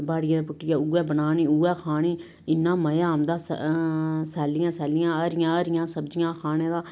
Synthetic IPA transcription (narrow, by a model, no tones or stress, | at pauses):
baːɽɪjãːd̪apʊʈːɪjaːuːɛːbənaːniːuːɛːkʰaːniː | ɪnːãːməjaːmd̪aːs | sɛːlɪjãːsɛːlɪjãːəɾɪjãːəɾɪjãːsəbd͡ʒɪjãːkʰaːnẽːd̪aː